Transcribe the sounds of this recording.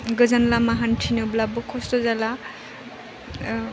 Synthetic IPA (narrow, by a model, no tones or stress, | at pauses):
ɡɯzanlamaɦantʰinɯblabɔkʰɔstɔzala